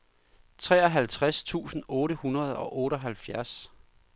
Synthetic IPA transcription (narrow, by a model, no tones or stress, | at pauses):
t͡sʰʁɛ̰ːɒɦælt͡sʰʁast͡sʰṵːsn̩ɔ̽ːɾəhunɐð̞ˠɒ̽ʔɔ̽ːɾɒɦælfjæɐs